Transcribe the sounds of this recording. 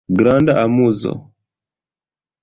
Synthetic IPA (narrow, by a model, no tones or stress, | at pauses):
ɡɾandaʔamuzɔ̰